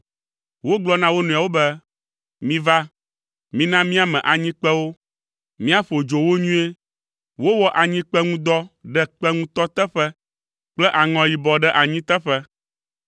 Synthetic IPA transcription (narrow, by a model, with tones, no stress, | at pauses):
wo˦ɡ͡blɔ˦nã˦wo˦nũ˨a˨wo˦bɛ˦ | mĩ˦va˦ | mĩ˦nã˦mĩ˦a˨mɛ̃˨ʔa˨ɲĩ˦k͡pɛ˦wo˦ | mĩ˦a˦ɸo˨d͡ʒo˨wo˦ɲũ˦e˦ | wo˦wɔ˦ʔa˨ɲĩ˦k͡pɛ˦ŋũ˦d̪ɔ˦ɖɛ˦k͡pɛ˦ŋũ˦t̪ɔ˦t̪ɛ˦ɸɛ˦ | k͡plɛ˦ʔa˨ŋɔ̃˨ji˨bɔ˨ɖɛ˦ʔa˨ɲĩ˦t̪ɛ˦ɸɛ˦